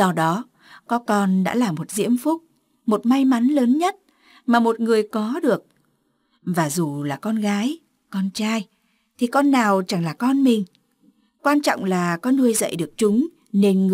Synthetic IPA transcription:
zɔ˧ɗɔ˨˦ | kɔ˨˦kɔ˧nɗa̰ː˧˥laː˨˩mo˨˩t̚zḭ˧˥əmfʊ˦˥k͡p̚ | mo˨˩t̚ma˧jma˨˦nləː˨˦nɲə˦˥t̚ | maː˨˩mo˨˩t̚ŋɨ˨˩əjkɔ˨˦ɗɨ˨˩ək̚ | vaː˨˩zu˨˩laː˨˩kɔ˧nɣaː˨˦j | kɔ˧nt͡ɕaː˧j | t̪ʰi˨˩kɔ˧nːaː˨˩wt͡ɕa˧˩ŋlaː˨˩kɔ˧nmï˨˩ŋ̟ | kwaː˧nt͡ɕɔ̰˧˨wŋ͡mlaː˨˩kɔ˨˦nːu˧əjzə̰˧˨jɗɨ˨˩ək̚t͡ɕʊ˨˦ŋ͡m | ne˧nŋ˨

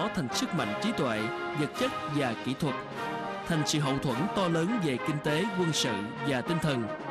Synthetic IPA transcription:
ɔ˨˦t̪ʰa˨˩jŋ̟sɨ˦˥k̚ma̰˧˨jŋ̟t͡ɕi˨˦t̪wḛ˧˨zə˨˩t̚t͡ɕə˦˥t̚vaː˨˩kḭ˧˥t̪ʰwə˨˩t̚ | t̪ʰa˨˩jŋ̟sḭ˧˨˦ɦə̰˧˨wt̪ʰwə˧˥nt̪ɔ˧ləː˨˦nve˨˩kï˧ŋ̟t̪e˨˦kwə˧nsɨ̰˧˨vaː˨˩t̪i˧ŋ̟t̪ʰə˨˩n

